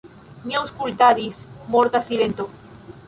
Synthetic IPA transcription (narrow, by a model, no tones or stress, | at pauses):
mjaoskult̪aðismoɾt̪asilent̪o